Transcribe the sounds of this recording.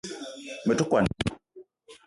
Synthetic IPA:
mə˨tu˦kwa˨n

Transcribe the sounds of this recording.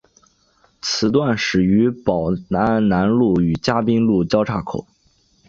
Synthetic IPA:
t͡sʰɹ̩˧˥t̪wa˥˩nʂɻ̩˨˩y˧˥pɑ˨˩ʊna˧˥na˧˥nlu˥˩y˨˩t͡ɕja˥pi˥ŋlu˥˩t͡ɕjɑ˥ʊʈ͡ʂʰa˥˩kʰo˨˩˦ʊ

